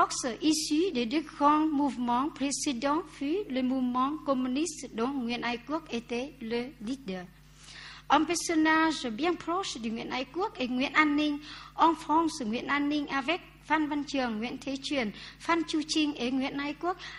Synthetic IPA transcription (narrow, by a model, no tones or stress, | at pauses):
ɔk̚səʔisiɗeɗɨk̚ɣɔnmuvmɔnpɾesiɗɔnfilemumɔnkomynisɗonŋwḭənajkuək̚ʔet̪eleliɗəː | ʔəmpɛsonaːzəɓiaŋpɾɔsɗeŋwḭənʔaːjkuək̚ʔeŋwḭənʔaːnːïŋ̟ʔɔnfɔŋsŋwḭənʔaːnːïŋʔaːvɛk̚ | faːnvant͡ɕɨəŋːwḭənt̪ʰet͡ɕwiənfaːnt͡ɕut͡ɕïŋ̟ʔeŋwḭənhaːjkuək̚